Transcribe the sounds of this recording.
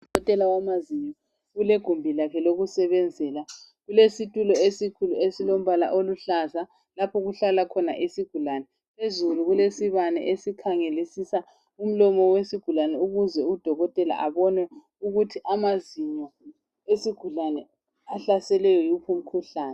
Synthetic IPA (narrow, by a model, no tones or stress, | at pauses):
dɔɣɔtʼɛlawamaziɲɔ | uleɡ̥ʱumbʱilakʰɛloɣusɛβɛnd͡zʱɛːla | ɣulesitʼulɔesikʰuluesilom̩βala̰ʔoluɬaza | lapʰɔɣuɬalakʰɔna̰ʔesiɡ̥ʱulanɛ | pezuluɣulesiβanɛ̰ʔesikʰaŋelisisa | um̩lɔmɔwesiɡ̥ʱulanɛuɣuzɛud̥ʱɔɣɔtʼɛla̰ʔaβɔnɛ | uɣutʰiʔamaziɲɔ | esiɡ̥ʱulanɛ | aɬasɛlɛjɔjupʰum̩kʰuɬaːnɛ